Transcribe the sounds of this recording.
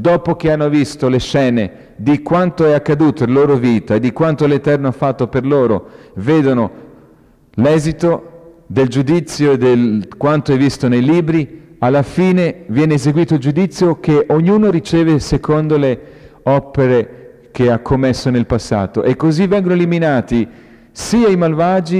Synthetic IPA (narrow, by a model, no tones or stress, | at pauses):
d̪ɔːpok̟eanːovist̪oleʃɛːne | d̪ikwant̪oɛakːad̪uːt̪oelaloːɾoviːt̪aed̪ikwant̪olet̪ɛrnoafːat̪ːoperloːɾo̰veːd̪ono | lɛːzit̪od̪eld͡ʒud̪it̪sːjoed̪elkwant̪oɛvist̪onejliːbɾialːafiːnevjɛːneːzeɡwiːt̪oild͡ʒud̪it̪sːjok̟eʔoɲːuːnoɾit͡ʃɛːvesekʰond̪oleɔpeɾe | k̟eakʰːomːesːonelpasːa̰ːt̪o̰ʔekːozivːɛŋɡonoeliminaːt̪i | siajmalvaːd͡ʒi